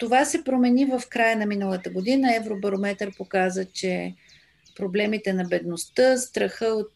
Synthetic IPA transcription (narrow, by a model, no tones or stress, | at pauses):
t̪ovasɛpɾomɛnivəfkɾajənɐminəlˠət̪əɡod̪inəɛvɾobɐɾomɛt̪əɾpokazət͡ʃɛ | pɾoblɛmit̪ɛnɐbɛd̪nost̪əst̪ɾɐxɤot̪̚